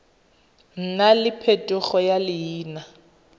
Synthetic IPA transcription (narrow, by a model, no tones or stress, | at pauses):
n̩nalɪpʰetʼʊχɔjalɪjiːna